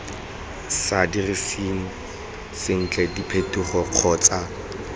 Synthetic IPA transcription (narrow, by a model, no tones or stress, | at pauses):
sadirisiŋ̩ | sɪŋ̩t͡ɬʼɛdipʰetʰʼuχɔq͡χʰɔːt͡sʼa